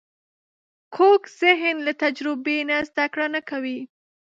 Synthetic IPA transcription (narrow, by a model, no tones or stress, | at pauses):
kʰokz̥ɪɦnlat̪ad͡ʒɾɪbenazd̪akɽanakawi